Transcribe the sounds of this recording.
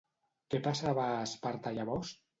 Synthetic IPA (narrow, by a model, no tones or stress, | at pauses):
kepasaβaspaɾt̪ajaβɔst̪